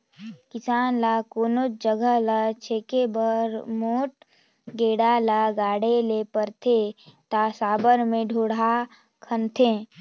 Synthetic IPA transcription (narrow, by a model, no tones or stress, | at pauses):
kɪsaːnlakoːnʊt̚d͡ʒəɡʱəlat͡ʃʰeːkebəɾmoːʈ̚ | ɡeːɽalaɡaːɽelepəɾt̪ʰet̪asaːbəɾmẽɖʱoːɽa | kʰənt̪ʰe